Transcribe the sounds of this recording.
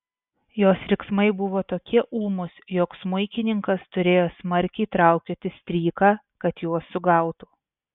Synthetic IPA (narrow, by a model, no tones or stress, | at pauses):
joːsɾʲɪksmɐɪbʊʋoːt̪oːkʲiɛʔuːmʊsjoːksmʊɪkʲɪnʲɪŋkɐst̪ʊɾʲeːjoːsmɐɾʲkʲɛɪt̪ɾɑˑʊkʲoːt̪ʲɪsʲt̪ʲɾʲiːkɑː | kɐt̪juɔsːʊɡɐˑʊt̪uː